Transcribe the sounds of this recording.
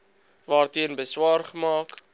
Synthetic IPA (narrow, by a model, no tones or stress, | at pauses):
vɑːrtiənbəswɑːrχəmɑːk